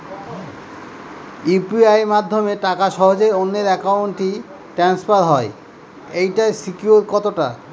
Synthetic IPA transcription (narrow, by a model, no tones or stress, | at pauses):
ipiajmad̪ʱːomeʈakaʃɔɦod͡ʑejonːeɾɛkawɳʈi | ʈɾanspaɾɦɔe | ejʈajsikjuɾkɔt̪oʈa